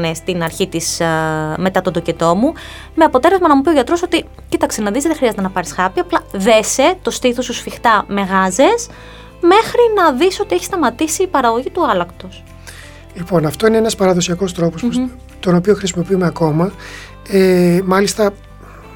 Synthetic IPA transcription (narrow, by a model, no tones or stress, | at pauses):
nest̪inɐɾçit̪isme̞t̪ɐt̪ond̪ocet̪o̞mu | me̞ɐpot̪e̞le̞zmɐnɐmupio̞ʝɐt̪ɾo̞sot̪i | cit̪ɐkse̞nɐðizðeðexɾiɐzet̪enɐpɐɾisxɐpiɐplɐðe̞se̞t̪o̞st̪iθosusfixt̪ɐme̞ɣɐze̞s | me̞xɾinɐðiso̞t̪ieçi̥st̪ɐmɐt̪isiːpɐɾɐɣo̞ʝit̪uɐlɐkt̪o̞s | lipo̞nɐft̪o̞ineenɐspɐɾɐðo̞siɐko̞st̪ɾo̞pos | t̪o̞no̞pio̞xɾisimo̞piumeɐko̞mɐ | emɐlist̪ɐ